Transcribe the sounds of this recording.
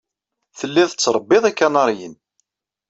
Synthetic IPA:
θəlːiðət͡sːɾˤəbːɪðˤækːænɑɾˤjən

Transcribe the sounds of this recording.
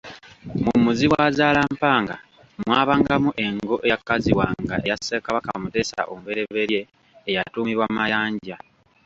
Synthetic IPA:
mumuziwazaːlampaːŋɡa | mwaːβaːŋɡamuʔe̞ŋɡo̞ʔeakːaziwaŋɡaʔe̞jasekaβakamute̞ːsa̰ʔo̰mubeɾe̞βe̞ɾje̞ː | jatuːmiβwamajaːɲɟa

